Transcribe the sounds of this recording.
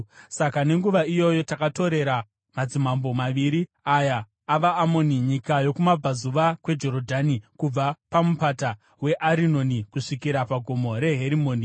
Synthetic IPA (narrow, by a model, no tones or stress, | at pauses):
sakane̞ŋɡuʋaijo̞jo̞takato̞ɾe̞ɾa | mad͡zimambo̞maʋiːɾi | ajaː | ʋaːmoniɲikajo̞kumab͡vazuʋakwe̞d͡ʒo̞ɾodʱanikub͡vapamupata | we̞ʔaɾino̞nikuʂikiɾapaɡʱomo̞ɾe̞ɦe̞ɾimo̞ːni